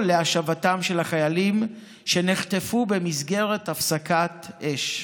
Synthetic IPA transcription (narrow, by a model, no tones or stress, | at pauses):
leaʃavatamʃe̞laχajalim | ʃe̞niχtefube̞mizɡe̞ʁetafsakatʔeʃ